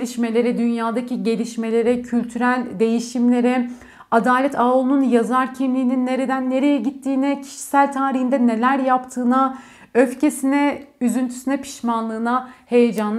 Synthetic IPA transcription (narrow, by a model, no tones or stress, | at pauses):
lʲiʃme̞lʲe̞ɾɛd̪ynjaːd̪aciɟe̞lʲiʃme̞lʲe̞ɾɛcʰylʲt̪ʰyɾælʲd̪e̞jiʃimlʲe̞ɾɛ | ad̪aːlʲɛt̪ʰaːolˠnunjazaɾcʰimlʲiːninːe̞ɾe̞d̪ænːe̞ɾe̞jɛɟit̪ʰːiːnɛcʰi̥ʃi̥sælʲt̪ʰaːɾiɦind̪ɛne̞lʲæɾjapt̪ʰɯːna | øfce̞sinɛyzynt̪ʰy̥synɛpʰi̥ʃmanlˠɯːnahe̞je̞d͡ʒanˠ